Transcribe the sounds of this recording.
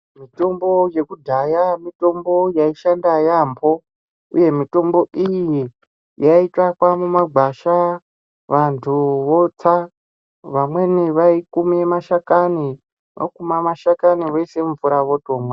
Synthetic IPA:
mito̞mbo̞je̞kudʱajamito̞mbo̞jaiʃandajambo̞ | ṵje̞mito̞mbo̞ʔiji | jaitakwamumaɡʱaʃa | ʋantʰuʋo̞t͡sa | ʋamwe̞niʋaikumemaʃakani | ʋa̰kumamaʃakaniʋaisemufuɾaʋoto̞mwa

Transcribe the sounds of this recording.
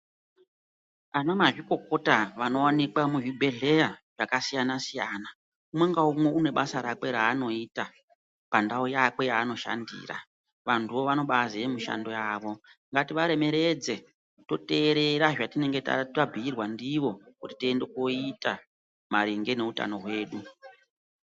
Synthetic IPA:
anamaʐiko̞ko̞taʋano̞wanikwamuʐibʱe̞ɮe̞jaʐ̥akasijanasijaːna | umwe̞ŋɡaumwe̞une̞ɓasaɾake̞ɾaːno̞ita | pandaujake̞jaːno̞ʃa̰ndḭːra̰ | ʋantʰuʋo̞ʋano̞ɓazijemiʃa̰ndo̞jaːʋo̞ŋɡatiʋaɾe̞me̞ɾe̞d͡ze̞ | to̞te̞ːɾe̞ɾaʐatine̞ŋɡe̞ta̰tabʱiirwandiʋo̞kuti̥tiende̞koita | maɾiŋɡe̞ne̞uta̰no̞ɦwe̞ːɗu

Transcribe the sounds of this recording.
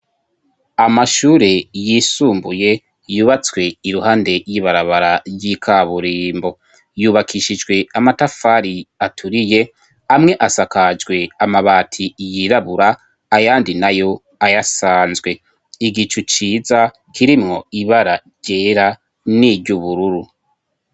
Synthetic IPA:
amaʃuːɾejiːsuːmbuje̞ | juːβat͡swe̞iɾuhaːnde̞jiːβaɾaβaɾaɾjikʰaβuɾiːmbo̞ | juːβakʰiʃid͡ʒɡwe̞amatafaɾiatʰuɾije̞ | amŋe̞ʔasakad͡ʒɡwe̞amaβaːtʰijiɾaβuɾaː | jaːndinajo̞ | ajasaːnzɡwe̞ | iɡit͡ʃut͡ʃiːza | kʰiɾimŋo̞iβaɾaɾɟ̥e̞ːɾa | niɟuβuɾuɾu

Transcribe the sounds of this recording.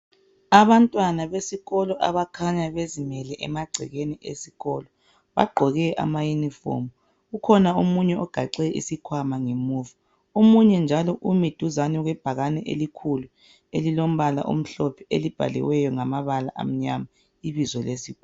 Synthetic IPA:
aβantʼwanaβesiɣɔlɔʔa̰βakʰaɲaβezimɛlɛʔɛ̰maɡ͡ǀʱḭɣeniʔḛsiɣɔlɔ | βa̰ɡ͡ǃʱɔɣɛʔa̰majunifo̰mu | ɣukʰɔnaomuɲɛʔɔɡ̥ʱaǀɛʔḭsikʰwamaŋemuːva | omuɲɛnd͡ʒʱalɔʔumid̥ʱuzanɛɣwɛb̥ʱaɣanɛʔḛlikʰulu | elilom̩βala̰ʔo̰m̩ɬɔpʰɛelib̥ʱa̰lɛ̰wɛjɔŋamaβala̰ʔa̰m̩ɲama | iβizɔlesiɣɔ

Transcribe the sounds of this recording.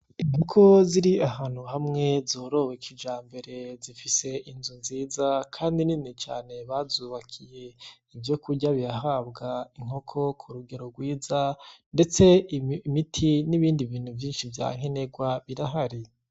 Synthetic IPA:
iŋokʰo̞ziɾiaɦaːn̥huɦamŋe̞zoːɾo̞wekʰid͡ʒaːmbe̞ɾe̞zifise̞ʔinzunziːzakʰaːndininit͡ʃa̰ːne̞βazuβakʰije̞ | ivjo̞kuɟaβijaɦabɡaiŋ̥o̞kʰo̞kʰuɾuɡe̞ɾoɡwiːzande̞t͡se̞mitʰiniβiːndiviːn̥huvjiːnʃivja̰ːŋe̞ne̞ɡwaβiɾaɦaɾi

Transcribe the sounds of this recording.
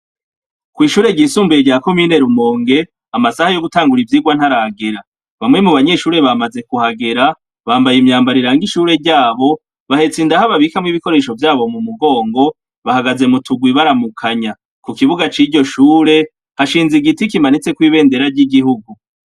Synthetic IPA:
kwiːʃuːɾe̞ɟiːsuːmbujeɾɟako̞mine̞ɾumo̞ːŋɡe̞ | amasahajo̞ɡutaːŋɡuɾivjiɡwan̥haɾaɡe̞ɾa | βamŋe̞muβaɲe̞ʃuːɾe̞βamaze̞kuhaɡe̞ɾa | βaːmbajimɲaːmbaɾiɾaŋɡiʃuːɾe̞ɾɟaːβo̞ | βahe̞t͡sindahaβaβikamŋiβiko̞ɾe̞ʃo̞vjaːβo̞mumuɡo̞ːŋɡo̞ | βahaɡaze̞mutʰuɡwiβaɾamukʰaɲa | kukiβuɡat͡ʃiɾɟo̞ʃuːɾe̞ | haʃiːnziɡitikimanit͡se̞kwiːβe̞ːnde̞ɾaɾɟiɡiɦuɡu

